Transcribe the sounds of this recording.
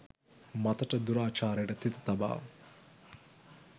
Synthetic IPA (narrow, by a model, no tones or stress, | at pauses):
mat̪ɐʈəd̪uɾaːt͡ʃaːɾjəʈət̪it̪ɐt̪ɐba̰ː